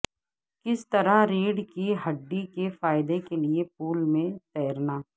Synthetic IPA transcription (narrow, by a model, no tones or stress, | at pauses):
kɪst̪ɐɾaɾiːɖkiɦɐɖːikefaːɪd̪ekeliep̚uːlmẽt̪ɛːəɾnaː